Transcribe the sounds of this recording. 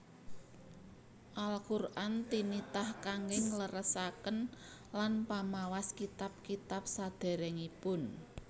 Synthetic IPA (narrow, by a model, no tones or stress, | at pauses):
ʔalkurʔant̪init̪ahkaŋɡɪŋləɾəsakənlanpamawaskit̪ap̚kit̪ap̚sad̪̥ɛ̤ɾɛŋipʊn